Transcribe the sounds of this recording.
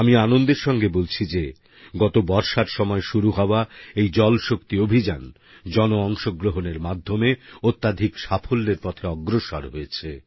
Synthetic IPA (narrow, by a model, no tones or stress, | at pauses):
amianond̪eɾʃɔŋɡebolt͡ɕʰid͡ʑe | ɡɔt̪obɔɾʃaɾʃɔmɔeʃuɾuɦɔoaejd͡ʑɔlʃokt̪iobʱid͡ʑan | d͡ʑɔnoɔŋʃoɡɾoɦoneɾmad̪ʱːomeot̪ːad̪ʱikʃafʰolːeɾpɔt̪ʰeɔɡɾoʃa̰ɾɦoet͡ɕʰe